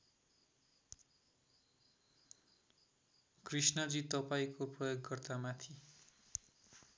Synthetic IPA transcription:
krisnʌd͡zit̪ʌpaĩkoprʌjoɡːʌrt̪amat̪ʰi

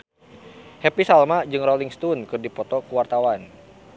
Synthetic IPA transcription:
hɛpisalmad͡ʒɨŋrɾɔliŋst̪unkɨrdipɔt̪ɔkuwart̪awan

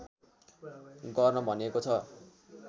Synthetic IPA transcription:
ɡʌrnʌbʱʌnekot͡sʰʌ

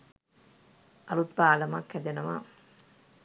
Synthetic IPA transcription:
ʔɐlut̪baːlɐmakhɛd̪enɐʋa̰

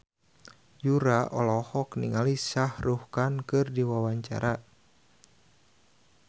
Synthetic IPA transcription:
d͡ʒuɾaʔɔlɔhɔkniŋalisahruhkankɨrdiwawaɲt͡ʃa̰ɾa

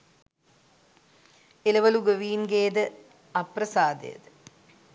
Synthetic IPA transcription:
elɐʋɐluɡɐʋiːnɡeːd̪ɨ | ɐprɐsaːd̪ḛj̰d̪

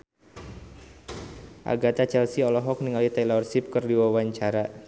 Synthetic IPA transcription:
ʔa̰ɡat̪at͡ʃɛlsiɔlɔɦɔk̚niŋalit̪ɛlɔrsip̚kərdiwawaɲt͡ʃaɾa

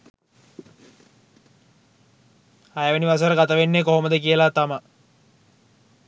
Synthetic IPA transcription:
ajəʋəniʋas̬əɾəɡat̪aʋenːekoɦoməd̪əkiəlat̪ama

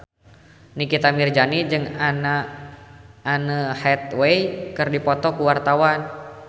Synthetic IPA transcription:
nikit̪amird͡ʒanid͡ʒɨŋana | nəhɛt̪̚wejkərdipɔt̪ɔkuwart̪awan

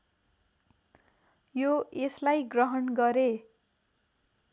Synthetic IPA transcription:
joeslajɡrʌɦʌnɡʌɾe

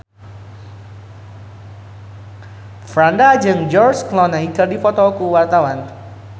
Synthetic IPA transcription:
fɾandad͡ʒɨŋd͡ʒɔrsklɔnaikərdifɔt̪ɔukuwart̪awan

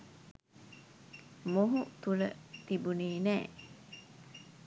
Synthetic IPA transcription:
moɦut̪ulə̰t̪ibuniːnæː

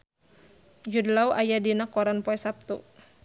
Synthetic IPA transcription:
d͡ʒudlauʔajadinakɔɾanpɔɛsap̚t̪ṵ

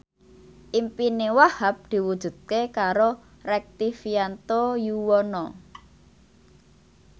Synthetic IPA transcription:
ʔimpinewahap̚d̪̥i̤wud̥ʒ̥ṳd̪̥̚kekaɾo | rɛk̚t̪ifiant̪ojuwɔnɔ

